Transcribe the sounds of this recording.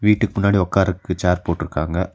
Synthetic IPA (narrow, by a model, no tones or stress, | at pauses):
ʋiːʈːɯkːɯmʊnːaːɽiɔkːaːɾɯkːɯt͡ʃaːɾpoːʈːɪɾɯkːa̰ːŋɡɐ